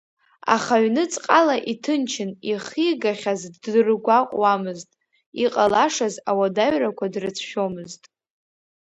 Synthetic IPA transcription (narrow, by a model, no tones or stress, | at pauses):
a̰χaɥnɨt͡sʼqʼalaʔitʰɨnt͡ʃʰɪniχiɡaχʲazrɡʷaqʷʼwamɨztʼ | iqʼalaʂazawadaɥrakʷʰadrɨt͡sʰʃᶣo̞mɨztʼ